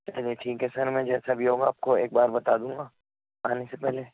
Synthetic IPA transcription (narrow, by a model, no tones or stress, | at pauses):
ɛd͡ʒiʈʰiːkɛsɐɾmɛ̃d͡ʒɛːsabʱiɦoːɡaːp̚koeːk̚baːɾbɐt̪aːd̪ũːŋɡa | aːnesepɛɦle